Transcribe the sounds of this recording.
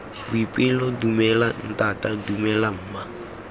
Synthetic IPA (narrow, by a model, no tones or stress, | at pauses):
bʊipʼɪlɔdumɛlan̩tʼatʼadumɛlam̩ːma